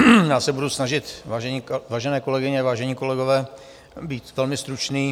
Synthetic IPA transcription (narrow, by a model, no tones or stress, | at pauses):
jaːsɛbudusnaʒɪt̪vaʒɛɲivaːʒɛnɛːko̞lɛɡɪɲɛvaːʒɛɲiːko̞lɛɡovɛː | biːt̪vɛlmɪst̪ɾut͡ʃniː